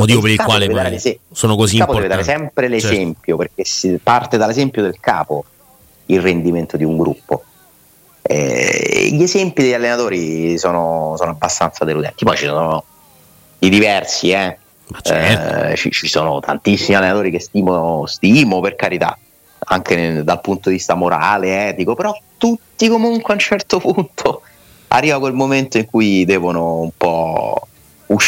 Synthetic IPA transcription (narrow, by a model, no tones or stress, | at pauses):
mot̪iːvopeɾilkakwalvedd̪aɾelezɛsoːnokozikapod̪ɛved̪aɾesɛmpɾelezɛmpjoperk̟esepart̪ed̪alezɛmpjod̪elka̰ːpo | ilrend̪iment̪od̪iuŋɡɾupːo | ɛ̰ʎːezɛmpid̪eʎːalːenat̪oːɾisoːnosoːnoabːast̪ant̪sad̪elud̪ɛ̰nt̪imɔt͡ʃisoːno | d̪id̪ivɛrsiɛ | t͡ʃḭt͡ʃisoːno̰t̪ʰa̰nt̪isːimialːenat̪oːɾikest̪iːmost̪imoperkaɾit̪a̰ | a̰ŋk̟ed̪alpunt̪od̪ivist̪amoɾa̰ːleɛːt̪ikopeɾɔt̪ːut̪ːikomuŋkweaunt͡ʃɛrt̪opunt̪ʰo | a̰rːiːvakwelmoment̪oiŋkujd̪ɛːvonoumpɔ | uʃ